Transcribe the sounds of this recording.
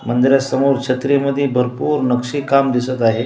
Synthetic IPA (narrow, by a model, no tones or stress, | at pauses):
mənd̪iɾjasəmoɾt͡ɕʰət̪ɾeməd̪ʱːjebʱəɾpuːɾnəkʂiːkamd̪isət̪aɦe